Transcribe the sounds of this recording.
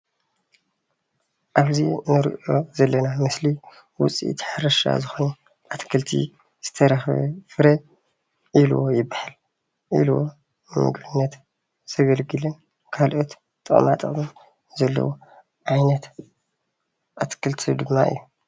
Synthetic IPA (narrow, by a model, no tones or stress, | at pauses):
ʔaβzinɨɾʔʔo̞zɐlːɐnamɨsli | wʊt͡sʼḭt̪ʰħaɾɐʃa̰zɨxonu | ʔat̪kʰɨlt̪ʰḭ | z̥ɨt̪ʰɐɾɐxβɐ̰fɨɾɐ | ʔiluwo̰jɪbːaħal | ʔḭlwo̰ | nɨmɨ̰ɡbɨnːɐt̪ | z̥ɐɡɐlɡɨlɨn | kʰalʔot̪ | t̪ʼɨ̰χʼmat̪ʼɨmɨn | zɐlːɐ̰wo | ʕajnɐt̪ | ʔat̪kʰɨlt̪ʰid̪ɨmːaʔɨ̰jːu